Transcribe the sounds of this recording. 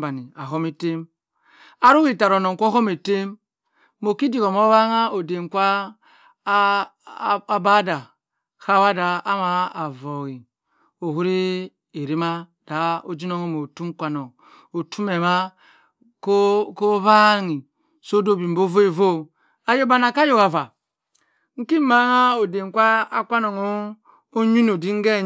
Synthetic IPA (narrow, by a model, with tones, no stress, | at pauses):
ba˨ni˨a˨ɦo˦me˦te˦m | a˦ɾu˦ki˦˨ta˨ɾo˨no˨ŋ˨kʷo˦ɦo˦me˨te˦mː | o˨ki˦di˦˨ko˨mo˦βa˦ŋa˦o˨de˨ŋ˨kʷa˦ | ba˦da˨ | ka˦wa˦da˦a˦ma˨a˨vo˨ɣi˨ | o˨ɦu˦ɾi˦ | e˨ɾi˦ma˦d̥a˨o˦d͡ʒi˦no˦ŋo˦mo˨tu˦ŋ̩˦kʷa˨no˨ŋ | o˨tʰu˦me˨ma˦ | ko˦ko˦βa˦ŋi˨ | so˦do˦bi˨bo˦vo˦e˨vo˦ | a˨jo˦ba˦˨na˨ka˦jo˦˨ka˨va˨ | ŋ̩˦ki˦ma˨˦ŋa˦o˨de˨ŋ˨kʷa˦a˦kʷa˦no˨ŋo˦ | o˦ɲu˦no˨di˦ŋ˦ɡe˦˨